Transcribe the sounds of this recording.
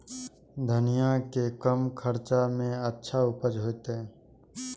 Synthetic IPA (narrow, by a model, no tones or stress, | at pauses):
d̪ʱənijakekəmkʰəɾt͡ʃamẽətːʃʰaʊpəd͡ʒɦoːt̪eɛ̃